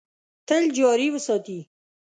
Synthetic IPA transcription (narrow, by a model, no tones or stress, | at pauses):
t̪əld͡ʒɑɾiwəsɑt̪i